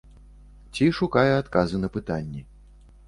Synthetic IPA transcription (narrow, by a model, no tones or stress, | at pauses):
t͡sʲiʂukajɛat̪kazɨnɐpɨt̪anʲːɛ